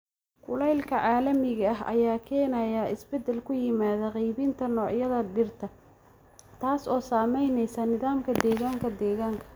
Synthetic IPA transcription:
kʰʊlɛjlkʰɐʕaːlɐmɪɣɐɐɦʔɐ̰jaːkʰɛːnɐjaʔɪsbɛd̪ɛlkʰʊjɪmaːðɐqijβɪnt̪ʰɐnɔːʕjɐðɐɖɪrt̪ʰɐ | t̪ʰaːsɔːsaːmɛjnɛjsɐnɪðaːmkʰɐd̪ɛːɣaːŋkʰɐd̪ɛːɣaːŋkʰɐ̥

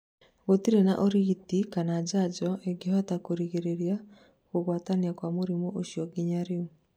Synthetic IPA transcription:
ɣotiɾena̰ʔoɾitikanad͡ʑad͡ʒɔʔeɡihɔtakoɾiɣeɾeɾia | koɣwataniakwamoɾimɔʔoʃjɔɡiɲaɾeu

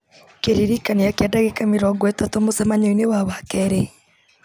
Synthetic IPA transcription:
keɾiɾikaniakadaɣekameɾɔɡwɛtatomosɛmaɲoinewawakɛɾɛ

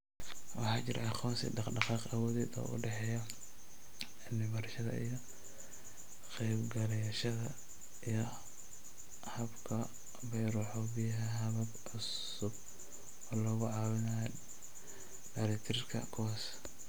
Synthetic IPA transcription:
wɑħɑːt͡ʃɪɾʔʕɑχɔːsḭdɑqɖɑqɑːqawɔːðɛːd̪ɔ̰ːʔʊ̰ɖɛħɛːjɐ | nːɪmɐrʃɐðɐ̰ʔijɔ | qɛjbɡɐlɛjʃɐðɐ | ijɔ | hɐbkʰɐ | bɛjɾɔħɔbɪjɐɦɛɦɐβɐb | ʊs | ʊb | ɔːlɔːɣʊʕɑwɪnɐj | ɖɐɾɛkt̪ʰɪɾrkʰɐ̰kʰʊwaːs

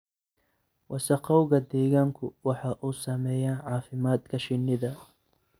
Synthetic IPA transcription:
wʔɑsɐqɑwɣɐd̪ɛːɣaːŋkʰʊwɑħɑʔuːsɐmɛːjaːʕɑːfɪmaːd̪kʰɐʃɪnːɪðɐ

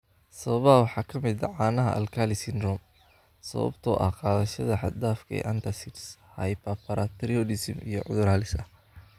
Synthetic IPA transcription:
sɐβɐβɐɦɐwɑħɑːkʰɐmɪd̪ɐʕɑːnɐɦɐ̰ʔɐ̰lkʰaːlɪsɪnd̪ɾɔm | sɐ̰βɐ̰bt̪ʰɔːʔɐ̰hqɑːðɐʃɐðɐħɑ̰d̪aːfkʰɐɛ̰ːʔɐnt̪ʰɐsitshɐjpɐpʰɐɾat̪ʰɾiɔdɪsmḭjɞ̰ʕʊðʊɾaːlɪsɐ

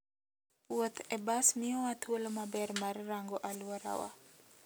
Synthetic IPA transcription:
pwot̪ʰɛbasmiowat̪ʰolomabɛrmarːaŋɡɔʔaluaɾa̰wa̰

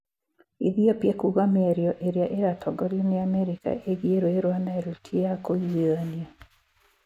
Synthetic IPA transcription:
iðiopjekuɣamɛɾjɔʔeɾeaʔeɾatʰɔɡɔɾjoneamɛɾika̰ʔeɣieɾoeɾwanaeɾutʰiejakoiania

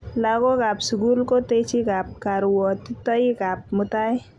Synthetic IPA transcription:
laɡoɡapsɡulkot̪et͡ʃʰiɡap̚kaɾuwɔt̪it̪əiɡap̚mut̪aj

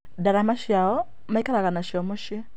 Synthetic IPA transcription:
daɾamaʃjaɔ | maikaɾakanaʃjomoʃe

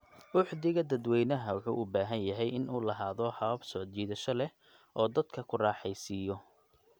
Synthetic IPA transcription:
ʔʊħdɪɣɐd̪ɐd̪wɛjnɐɦɐwʊħṵːʔʊbaːɦɐnjɐɦɛjɪnuːlɐɦaːðɔħɑβɐbsɔʕd̪t͡ʃiːðɐʃɐlɛ | ʔɔːd̪ɐd̪kʰɐkʰʊrɑːħɛjsiːjɔ

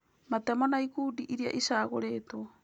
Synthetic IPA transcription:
matemonaikuːdiʔiɾia̰ʔisaːɣoɾeːto

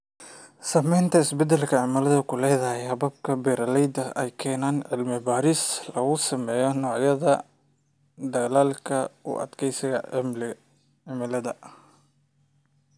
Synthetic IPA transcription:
sɐmɛjnt̪ʰɐɪsbɛd̪ɛlkʰɐʕɪmɐlɐðɐkʰʊlɛːðɐhɛhɐbɐb̚kʰɐbɛɾɐlɛjd̪ɐʔɛ̰jkʰɛːnaːnʕɪlmɪbaːɾɪslɐɣʊsɐmɛːjɔnɔːʕjɐðɐ | d̪ɐɣlaːlkʰɐʊ̰ʔɐ̰d̪kʰɛjsɪɣɐ̰ | ʕɪmɪlɐðɐ̰

